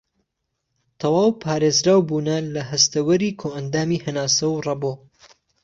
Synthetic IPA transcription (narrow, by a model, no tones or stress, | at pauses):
t̪ʰɐwaːwpʰaːɾeːzɾaːwbuːnalɐɦɐst̪ɐwɐɾiːkʰoːʔɐnd̪aːmihɐnaːsɐwrɑboː